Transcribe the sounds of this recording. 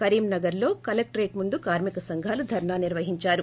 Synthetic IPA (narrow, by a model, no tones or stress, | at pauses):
kɐɾiːmnɐɡɐɾlo̞ːkɐlɐk̚ʈɾeːʈmund̪ukaːɾmikɐsɐŋɡʱaːlud̪ʱɐɾɳaːniɾʋɐɦiɲt͡ʃaːɾu